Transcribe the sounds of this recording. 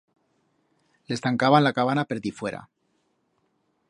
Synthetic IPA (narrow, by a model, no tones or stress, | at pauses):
le̞st̪aŋkaβanlakaβanape̞ɾðifwe̞ɾa̰